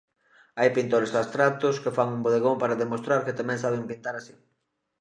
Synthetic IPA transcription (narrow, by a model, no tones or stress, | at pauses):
ajpint̪oɾezðast̪ɾat̪ʊskefaŋumboðeɣoŋpaɾaðemost̪ɾaɾkɪt̪amɛ̃ŋsaβ̞eŋpint̪aɾasi